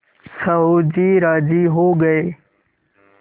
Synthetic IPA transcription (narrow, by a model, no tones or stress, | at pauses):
səɦoːd͡ʑiːɾaːd͡ʒiːɦoːɡəeː